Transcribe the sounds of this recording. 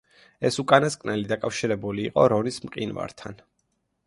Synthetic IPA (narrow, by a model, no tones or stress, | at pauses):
ɛsukʼanaskʼnɛlid̪akʼafʃiɾɛbuliːqʼɔɾɔnismqʼinva̰ɾt̪ʰan